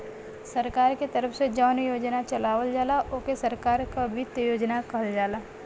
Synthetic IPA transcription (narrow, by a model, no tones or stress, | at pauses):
sɐɾkaːɾket̪ɐɾəfʰsed͡ʒaːʊnjoːd͡ʒnat͡ʃɐlaːʋəld͡ʒaːlaʔoːkesɐɾkaːɾkabʱɪt̪jəjoːd͡ʒnakɐɦəld͡ʒaːlaː